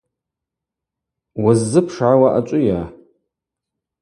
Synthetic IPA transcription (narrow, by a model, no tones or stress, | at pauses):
wazːɨpʰʂʕawaʔat͡ʃʷʼʊja